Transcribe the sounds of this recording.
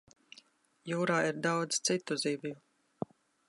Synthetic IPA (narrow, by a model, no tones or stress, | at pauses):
juːɾaːiɾd̪awd̪z̥t̪sit̪ːuziːvju